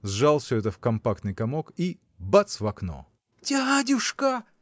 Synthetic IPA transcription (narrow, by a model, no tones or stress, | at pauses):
zʐalˠfsʲɵɛt̪əfkɐmpak̚t̪nɨjkɐmoki | bat̪svɐkno̰ | t̪ʲaɦadʲʊʂka